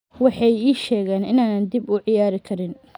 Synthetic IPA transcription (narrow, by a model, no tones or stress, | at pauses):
wɑħɑjiːʃɛːɣɛːnɪ̰naːnɐnd̪ibʊʕɪjaːɾɪkʰɐɾɪn